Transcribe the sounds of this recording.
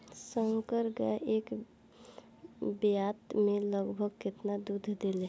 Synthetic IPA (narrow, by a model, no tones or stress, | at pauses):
sə̃ŋkəɾɡa̰ʔeːk | bjat̪mẽləɡbʱəɡ̚kɪt̪nad̪ud̪ʱd̪ele